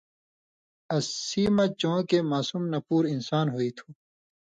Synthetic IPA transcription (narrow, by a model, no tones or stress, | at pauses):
ɐsiːmɐ̃t͡ɕõːkemaːsuːmnɐpuːɾinsaːnɦoːit̪ʰuː